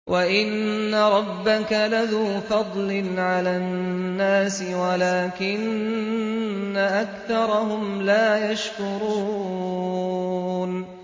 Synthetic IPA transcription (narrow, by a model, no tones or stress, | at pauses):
wʔaʔɪnːaɾˤɑbːakalaðuːfɑd̪ˤlɪnʕalaːnːaːsɪwalaːkɪn | aʔakθɑɾˤɑɦʊmlaːjaʃkʊɾuː | n